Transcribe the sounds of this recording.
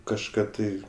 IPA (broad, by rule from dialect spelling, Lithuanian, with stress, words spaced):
kɐʃˈkɑː tɐɪ